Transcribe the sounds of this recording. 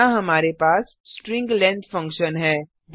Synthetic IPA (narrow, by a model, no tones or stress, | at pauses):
aɦɐmaːɾepaːs | sʈɾɪ̃ŋɡlɛ̃ːɳd̪fɐ̃ŋkʃənɦɛː